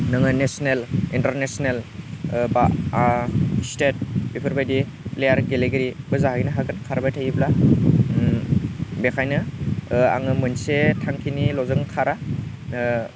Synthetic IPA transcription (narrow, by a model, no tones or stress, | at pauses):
nɯŋɯnesonelintɐɾnesonelba | stet̚bipʰɯɾbajdi | plejaɾɡeleɡɯɾib̥ɯzaɦajnɯɦaɡɯnkʰaɾbajtʰajibla | bekʰajnɯ | a̰ŋɯmɯnsetʰaŋkʰinilɔzɯŋkʰaɾa